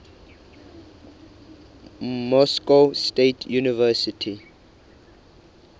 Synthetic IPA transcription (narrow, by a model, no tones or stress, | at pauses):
mɔskostetʰjunivɛsitʰi